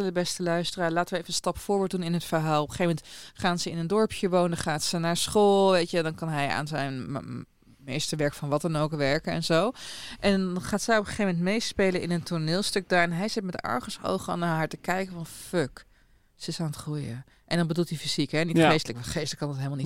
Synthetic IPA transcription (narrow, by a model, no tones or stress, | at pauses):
ləbɛstəlœɥstəraːɹlaːtənʋəejvəənstɑpfʊːɹboːt̚dunɪnɦətfəɹɦaːlˠɔpəχejvmɛntχaːnzəɪnəndɔɹpʰjəʋowndəχaːtsənaːɹsχoːlˠʋejtʋədɑnkɑnɦɛja̰ːnzɛjn | mejstəʋɛɹkəfɑnʋɑt̚dɑnowkʋɛɹkəɛ̰nzowʔɛnnχaːtsɛjɔpəχeːfmɛntmejspejləɪnəntʰʊɹnɪːlˠstɵk̚daːɹɛnɦɛjzɪtmɛtdɛ̰ɹχəso̰wχəɔ̰naːɹɦaːɹtəkɛjkəfɑnføk | səɪsaːnətχrujə̰ | ʔɛndɑnbədulˠtifiz̥ikɦɛniχejstələkʋχejstləkːɑndɑtɦelml̩ˠnit